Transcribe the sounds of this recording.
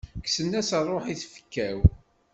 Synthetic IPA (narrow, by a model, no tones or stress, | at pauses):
ksənːæsərˤoħiθfə̥kːæw